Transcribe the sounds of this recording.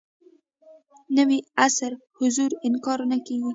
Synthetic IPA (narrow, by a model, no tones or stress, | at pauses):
nəwiasaɾ | hʊzuɾɪnkɑɾnakeɡi